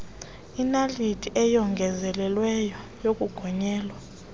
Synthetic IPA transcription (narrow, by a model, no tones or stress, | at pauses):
inalitʰiʔɛjɔŋɡʱɛzɛlɛlwɛjɔ | jokʼuɡ̥ʱɔɲɛːlwa